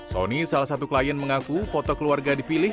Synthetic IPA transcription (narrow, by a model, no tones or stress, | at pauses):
so̰nisalahsat̪ukəlajanməŋakufot̪ɔkəluarɡadipilɪh